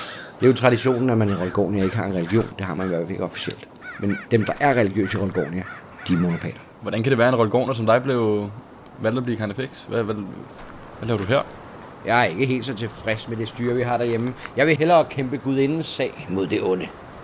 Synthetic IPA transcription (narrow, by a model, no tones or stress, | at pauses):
d̥e̝jot͡sʰʁɑ̈ɾ̥iɕo̝̰ːnn̩æmæniʁɔlɡ̥ɔ̰ːnjæe̝ɡ̥əɦɑ̈e̝nʁɛliɡ̥jo̝̰ːnd̥e̝ɦɑ̈mæniʋæɐ̰fæle̝ɡ̥ɒ̽fi̥ɕiel̰d̥ | mend̥emd̥ɑ̈ʔæɐʁɛliɡ̥jø̰ːsiʁɔlɡ̥ɔ̰ːniæ | d̥imo̝no̝pʰɛ̰ːlɐ | ʋɒd̥ænkʰæɾ̥eʋæːɐe̝nʁɔlɡ̥ɔ̰ːnɐsɒ̽md̥ɑ̈ɪb̥le̝ʊ | ʋæl̰d̥ɑb̥liːkʰɑ̈nefeɡ̥sʋæʋæ | ʋælɛːʊd̥uɦæɐ̰ | jɑ̈ɪæɐe̝ɡ̥əɦe̝̰ːld̥sɒ̽t͡sʰe̝fʁɛsmed̥e̝sd̥yːɐʋiɦɑ̈ɾ̥æɐjeməjɑ̈ɪʋe̝ɦelɐkʰemb̥əɡ̥uð̞ˠe̝nn̩sɛ̰ɪmo̝ð̞̰ˠd̥e̝ʔɔ̽nə